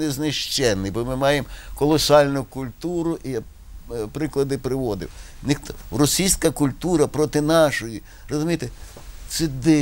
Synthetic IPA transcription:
nɛznɪʃt͡ʃɛnːɪjbɔmɪmɑjemkɔlˠɔsɑlʲnʊkʊlʲt̪uɾʊʔija | pɾɪklˠɐd̪ɪpɾɪʋɔd̪ɪ̰w | nɪxt̪ɔrɔsʲijsʲkɐkʊlʲt̪uɾɐpɾɔt̪ɪnɑʃɔji | rɔzʊmʲijt̪e | t̪sɛd̪ɪ

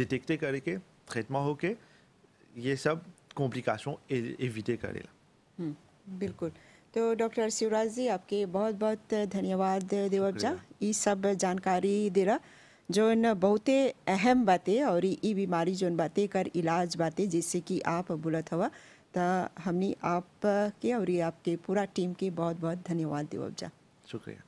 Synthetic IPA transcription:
ɖɪʈek̚ʈekɐɾeket̪ɾet̪maɦoke | jesɐb̚kɔ̃mplika̰ːsõeeʋiʈekɐ̰ɾḛla̰ | ɦ | bɪlkʊlt̪oːɖɔːk̚ʈəɾsiʋɾaːd͡ʒd͡ʒiaːp̚kebɔɦʊt̪̚bɔɦʊt̪d̪ʱɐnjəʋaːd̪d̪eʋəd͡ʒaːjisɐbd͡ʒaːnkaːɾid̪eɾa | d͡ʒoːnbɐɦʊt̪eɛɦɛmbaːt̪ẽɔːɾʔibimaːɾid͡ʒoːnbaːt̪ekɐɾɪlaːd͡ʒbaːt̪ẽd͡ʒɛːsekiʔaːpbʊːlət̪ɦoʋa | t̪ɐɦɐmniʔaːpkeɔːɾjiaːp̚kepuːɾaʈiːmkebɔːʊt̪̚bɔːt̪̚d̪ʱɐnjəʋaːd̪ːḛːʋə̰b̚d͡ʒa̰ː | ʃʊkɾḭja̰

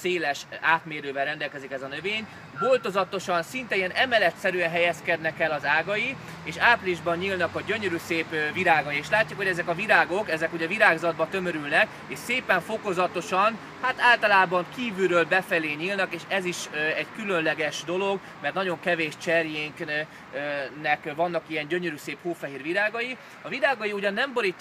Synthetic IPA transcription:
seːlɛʃaːt̪meːɾøːvɛlrɛnd̪ɛlkɛzikɛzɒnøveːɲ | bolt̪o̞zɒt̪o̞ʃɒnsint̪ɛijɛnɛmɛlɛt̪sɛɾyɛnɦɛjɛskɛd̪nɛkɛlɒzaːɡɒji | eːʃaːpliʒbɒɲɲilnɒkɒɟøɲøɾyːseːpviɾaːɡɒjieːʃlaːcːukhoɟɛzɛkɒviɾaːɡo̞kɛzɛkuɟɛviɾaːɡzɒd̪̚bɒt̪ø̞møɾylnɛk | eʃseːpɛɱfo̞ko̞zɒt̪o̞ʃɒn | hat̪aːlt̪ɒlaːbɒŋkiːvyɾøːlbɛfɛleːɲiːlnɒkeːʃɛziʃɛɟkylønlɛɡɛʃd̪o̞lo̞ɡ | mɛrt̪nɒɟo̞ŋkɛveːʃt͡ʃɛrjeːŋk | nɛkvɒnːɒkijɛɲɟøɲøɾyseːphoːfɛɦiːrʋiɾaːɡɒji | ɒviɾaːɡɒjiuɟɒnːɛmbo̞ɾicː

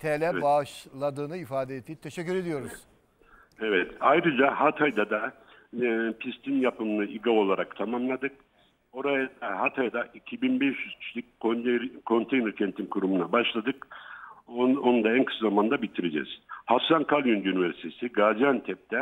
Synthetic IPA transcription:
t̪ʰelʲɛbaʃlˠad̪ɯːnɯifaːd̪eet̪ʰːijit̪ʰːeʃɛcːyɾe̞d̪ijo̞ɾuz̥ | evɛt̪ajɾɯd͡ʒahat̪ʰajd̪ad̪a | pʰist̪ʰinjapɯmɯnaʔiɡao̞lˠaɾakt̪ʰamamlˠad̪ɯk | o̞ɾajad̪aɦat̪ʰajd̪aʔicʰibinbɛʃjyz̥cʰi̥t͡ʃlʲic̚ʲkʰokʰːo̞nt̪ʰejnɛɾcʰɛnt̪ʰimkʰuɾumunabaʃlˠad̪ɯk | onud̪aænkʰɯ̥szamand̪abit̪ʰiɾed͡ʒɛ̰z̥hafsankʰalˠjund̪ynivɛɾsi̥t̪ʰesiɡad͡ʒjant̪ʰɛp̚t̪ʰɛ

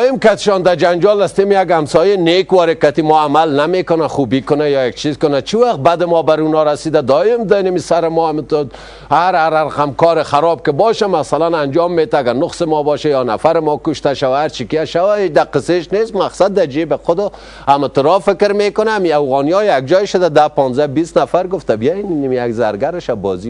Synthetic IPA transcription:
ɪmkat̪ɪ̥ʃɔnd̪ad͡ʒand͡ʒɔlast̪emjaɡamsɔjenekwɔɾekat̪imɔamalnamekʊnaxubikʊnajɔjak̚t͡ʃʰizkʊnat͡ʃʰiwaq̪̚bad̪ɪmɔbaɾunɔɾasid̪ad̪ɔɪmd̪anamisaɾɪmɔamit̪ʊ | haɾaɾaɾqamkɔɾɪxaɾɔb̚kɪbɔʃamasalanand͡ʒɔmːet̪aːɡaɾnʊqsɪmɔbɔʃajɔnafaɾɪmɔkʊʃt̪aʃawaaɾt͡ʃikijaʃawaet͡ʃd̪aqɪseʃnest̪maqsad̪̚ːad͡ʒebɪxʊd̪ɔ | amɪt̪ʊɾɔfɪkɪɾmekʊnaːmiawɣɔnijɔjjak̚d͡ʒɔjʃʊd̪ad̪apɔnzabist̪nafaɾɡʊft̪abijannimijaɡzaɾɡaɾɪʃabɔzi

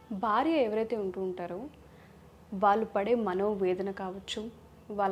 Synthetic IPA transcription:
bʱaːɾjɐeʋɐɾɐjt̪e̞ːuɳʈuːɳʈaːɾu | ʋaːɭːupɐɽe̞ːmɐno̞ːʋeːd̪ɐnɐkaːʋɐt͡ʃːu | ʋaː

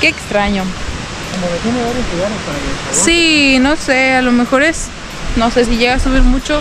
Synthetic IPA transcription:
ke̞ːkst̪ɾaɲo̞ | komomet̪jeneβaɾjozluɣaɾespaɾaesino̞se̞alo̞me̞xo̞ɾe̞s | no̞se̞s̬iʝe̞ɣaasuβiɾmut͡ʃo

